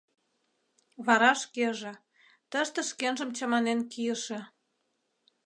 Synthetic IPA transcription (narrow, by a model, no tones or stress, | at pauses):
βɑɾɑʃkeʒĕ | t̪əʃt̪ĕʃkenʒə̆mt͡ɕɑmɑnenkijə̆ʃĕ